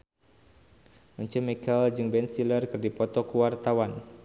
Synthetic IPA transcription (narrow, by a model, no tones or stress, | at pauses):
məɲt͡ʃəmikald͡ʒɨŋbɛnsilərkɨrdipɔt̪ɔkəwart̪awan